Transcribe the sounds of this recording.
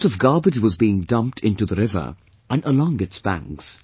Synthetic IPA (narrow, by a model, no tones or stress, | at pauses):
tʌvɡɑɹbɨd͡ʒwʌzbiɪ̃ŋdʌ̃mp̚tʰɪ̃ntuðəɾɪvə̰˞ | ʔə̃nəlɔ̃ŋɨtsb̥æ̰̃ŋks